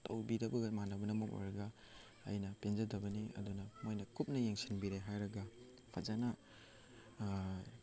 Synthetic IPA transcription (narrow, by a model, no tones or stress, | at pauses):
tɐ̰wbidɐbɐɡɐmanɐbɐnɐmɐko̰jɾɐɡɐ̰ː | jnɐpenzɐdɐbɐniɐ̰dunɐmojnɐkʰup̚nɐjeŋsinbiɾeɦajɾɐɡɐ | pʰazanɐ